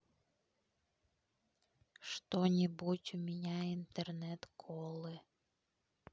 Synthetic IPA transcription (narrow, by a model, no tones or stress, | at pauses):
ʃt̪onʲibutʲumʲɪnʲaint̪ernɛt̪kʰolˠɨ